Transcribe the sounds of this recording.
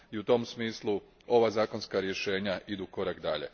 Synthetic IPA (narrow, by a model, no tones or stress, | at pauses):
iut̪o̞msmiːslˠu | o̞ʋaːzaːko̞nskaɾje̞ʃe̞ːɲaʔid̪uko̞ɾakd̪a̰ʎḛ